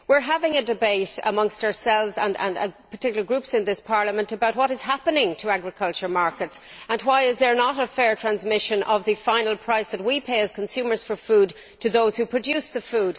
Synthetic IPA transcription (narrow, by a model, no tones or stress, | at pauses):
wɪɹɦavɪ̃ŋədɨbeɪɾə̰mʌ̃ŋstəə˞sɛlˠvzə̰̃nə̰̃nə̰pʰə˞tʰɪkjl̩ˠə˞ɡɹʉpsɨ̃nðɪspʰɑɹləmə̃ntəbaʊt̚wɒɾɨz̥ɦapənɪ̃ŋtʰəaɡɹɨkʰʌlˠt͡ʃə˞maɹkətsə̃nwaɪɪzðə˞nəɾəfɛɹtʰɹ̥æ̃nzmɪʃə̃nʔʌ̰vðɨfãɪ̃nl̩ˠpʰɹ̥aɪsðət̚wipʰeɪɨz̥kʰə̃nsʉmə˞z̥fə˞fuːd | tʰɨðoʊz̥hupʰɹ̥ɨdʉsðəfuːd̥